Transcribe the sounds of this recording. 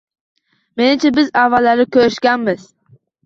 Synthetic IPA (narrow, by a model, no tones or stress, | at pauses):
me̞nɪmt͡ʃʰabɪzavːalːaɾɪkʲʰøɾɪʃkʲanmɪz̥